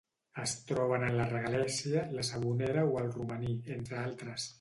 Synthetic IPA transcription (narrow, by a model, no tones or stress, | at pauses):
əst̪ɾɔβ̞ənənlərəɣalɛsiələsəβ̞unɛɾəoəlˠrumənient̪ɾəalˠt̪ɾəs